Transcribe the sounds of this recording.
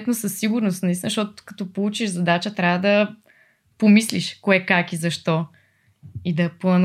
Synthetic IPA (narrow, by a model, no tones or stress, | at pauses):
t̪nosəsːiɡʊɾnost̪nɐist̪inzʃt̪ɔt̪ʊ̥kɐ̥t̪ɔpolˠut͡ʃiʒzɐd̪at͡ʃət̪ɾʲavəd̪ɐ | pomisliʃkoɛkakizɐʃt̪ɔ | id̪ɐplˠɐn